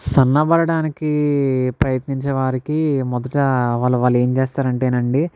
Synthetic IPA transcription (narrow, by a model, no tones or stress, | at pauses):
sɐnːɐbɐɾɐɽaːnikipɾɐjɐt̪niɲt͡ʃɐʋaːɾikimɔd̪ɐʈɐʋaːlːɐʋaːlːe̞ːmt͡ʃeːst̪aːɾɐɳʈeːnɐɳɖi